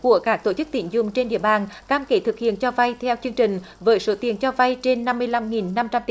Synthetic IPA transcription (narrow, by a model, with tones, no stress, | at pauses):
ku˧˩əkaː˦˥k̚t̪o˧˩t͡ɕɨ˦˥k̚t̪ḭ˧˩ənzʊ̰˨˧˩ŋ͡mt͡ɕe˧nɗḭ˧˨əɓaː˨˩nkaː˧mke˧˦t̪ʰɨ˨˩k̚hḭ˧˨ənt͡ɕɔ˧va˧jt̪ʰɛ˧wt͡ɕɨ˧əŋt͡ɕï˨˩ŋ̟ | vəː˨˦jso˧˨˦t̪i˨˩ənt͡ɕɔ˧va˧jt͡ɕe˧nːa˧mːɨ˧əjla˧mŋi˨˩nːa˧mt͡ɕa˧mt̪